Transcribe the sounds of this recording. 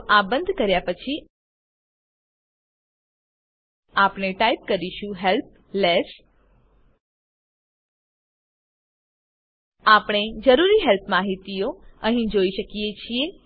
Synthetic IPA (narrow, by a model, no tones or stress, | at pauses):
ʔabə̃nd̪ʱkəɾjapət͡ʃʰi | apneʈaip̚kəɾiʃũɦɛlp̚ | les | apɳ̃ed͡ʒəɾuɾiɦɛlpʰmaɦit̪ioəɦĩd͡ʒoiʃəkijet͡ʃʰie